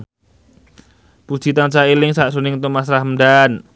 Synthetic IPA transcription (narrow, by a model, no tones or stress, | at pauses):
pu̥t͡ʃi̤t̪ant͡ʃaelɪŋsaʔsonɪŋt̪umas̬ɾahəmɖan